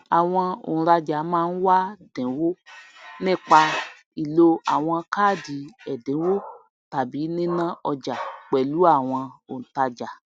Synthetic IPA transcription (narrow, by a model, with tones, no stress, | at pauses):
a˨w̃ɔ̃˧o̰˨ñ̩˨˧ɾa˧d͡ʒa˨˦mãː˦˧n̩˦wa˦dɛ̃˨˦wo˦nĩ˦˨k͡pa˧ | i˨lo˧a˨w̃ɔ̃˧kaː˦˨di˨˦ɛ˨dɛ̃˨˦wo˦ | ta˨bi˨˦nĩ˦nã˦ɔ˧d͡ʒa˨k͡pɛ˨lu˨˦a˦˨w̃ɔ̃˧o˨n̩˨ta˧d͡ʒa˨